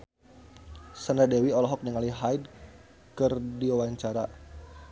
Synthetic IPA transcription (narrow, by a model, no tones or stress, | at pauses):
sanadɛwiɔlɔɦɔk̚niŋaliɦaid | kərdiwawaɲt͡ʃaɾa